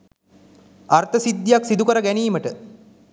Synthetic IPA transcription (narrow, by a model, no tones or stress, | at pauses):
art̪əsid̪ːijaksid̪ukəɾəɡæniːməʈə